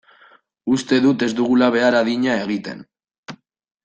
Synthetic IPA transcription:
ust̪e̞ðut̪e̞zd̪uɣ̞ulaβ̞e̞aɾaðiɲae̞ɣ̞it̪e̞̰n

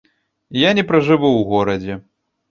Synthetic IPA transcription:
janʲɛpɾɐʐɨvuwɣɔɾɐd͡zʲɛ

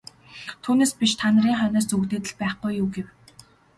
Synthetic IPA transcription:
t̪ʰuːneːspʲiʃt̪ʰanə̆ɾiːŋχœnœːsuɣt̪eːt̪ɘ̆ɮpæːχɡujːuːɡew

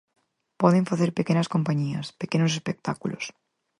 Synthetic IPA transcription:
pɔðeɱfaθeɾpekenɐskompaɲiɐspekenosespek̚t̪akulo̰s

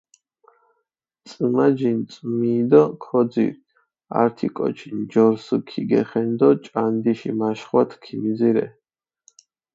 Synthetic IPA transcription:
t̪sʼɨmad͡ʒint̪sʼmiːd̪ɔkʰɔd̪zḭɾ | a̰ɾt̪ʰikʼɔ̰t͡ʃʰind͡ʒɔɾsukʰiɡɛ̰χɛnd̪ɔt͡ʃʼand̪iʃḭmaʃχwat̪ʰkʰimiziɾɛ

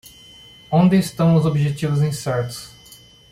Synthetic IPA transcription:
õnd̪ɪːst̪ɐ̃w̃ʊzobiʒet͡ʃivʊzĩsɛɾt̪ʊ̥s

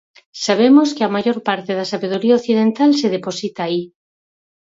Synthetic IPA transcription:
saβ̞emoskɪamaʝoɾpaɾt̪ɪðɐsaβeð̞oɾiaoθið̞ent̪alseðeposit̪aːi

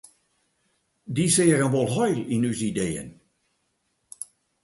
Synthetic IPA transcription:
disɪːərənʋɔlˠɦɔjlɪnyzidejə̰n

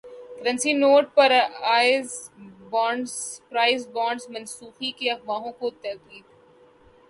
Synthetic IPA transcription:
kɐɾə̃nsinoːʈ̚pɐɾaːɪzbɔ̃ːɳɖzpɾaːɪzbɔ̃ːɳɖzmɐ̃nsuːxikeɐɣʋaːɦõkot̪ɐd̪iːd̪

